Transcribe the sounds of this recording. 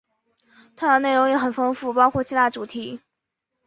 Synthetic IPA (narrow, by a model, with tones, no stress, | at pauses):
t̪ʰa˥d̪ə˨˦ne˥˩ɪɻʊ˧˥ŋjɛ˧˥xə˨˩nfɤ˥ŋfu˥˩pɑ˥ʊkʰwɔ˥˩t͡ɕʰi˥t̪a˥˩ʈ͡ʂu˨˩t̪ʰi˧˥